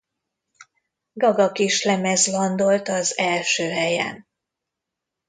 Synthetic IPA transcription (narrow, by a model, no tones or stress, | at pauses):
ɡɒɡɒkiʃlɛmɛzlɒnd̪o̞lt̪ɒzɛlʃøːɦɛjɛ̰n